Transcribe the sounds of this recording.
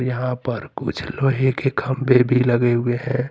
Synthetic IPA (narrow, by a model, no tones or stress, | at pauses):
ɾjəɦãpəɾkʊ̰t͡ʃʰloɦekekʰəmbʱebʱiləɡeɦʊeɦɛ̃